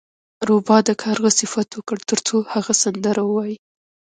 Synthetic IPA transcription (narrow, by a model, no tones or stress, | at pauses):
ɾobɑd̪akʰaɾɣəsɪfat̪wəkəɽt̪əɾt͡sohaɣasand̪əɾawəwɑji